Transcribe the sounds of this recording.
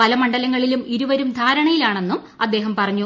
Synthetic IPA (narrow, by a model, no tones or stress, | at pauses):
pɐlɐmɐɳɖɐlɐŋːɐɭilumiɾuʋɐɾumd̪ʱaːɾɐɳɐjilaːɳe̞nːum | ɐd̪ːe̞ːɦɐmpɐrɐɲːu